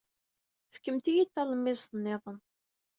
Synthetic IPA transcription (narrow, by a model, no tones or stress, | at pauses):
fə̥kːəmt̪ijit̪ːæləmːɪsθənːɪðˤən